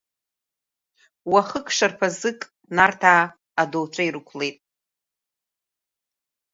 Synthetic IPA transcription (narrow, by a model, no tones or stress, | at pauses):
waχəkʰʂarpʰazɨkʼ | nartʰaː | dowt͡ʃʷʰaiɾɨkʷʰle̞jtʼ